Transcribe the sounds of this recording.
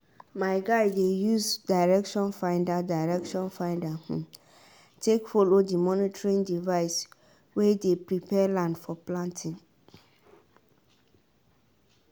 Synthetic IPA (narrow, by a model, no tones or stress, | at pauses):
maɪɡaɪdejusdaɪɹɛkʃɔ̃nfãɪ̃ndadaɪɹɛkʃɔ̃nfãɪ̃ndahũ | tʰekfɔlodimɔ̃nitʰɹĩŋdivaɪs | wedepɹipʰɛlãndfɔplãntʰɪ̃ŋ